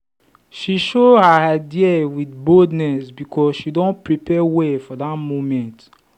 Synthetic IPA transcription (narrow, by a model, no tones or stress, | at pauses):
ʃiʃohaaɪdiawitboldnɛsbikʰɔsʃidõnpɹipɛwɛfɔdatmomɛ̃nt